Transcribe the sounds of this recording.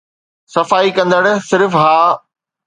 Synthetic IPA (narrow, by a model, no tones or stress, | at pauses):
sɐfaːikɐ̃nd̪əɽsɪɾfɦaː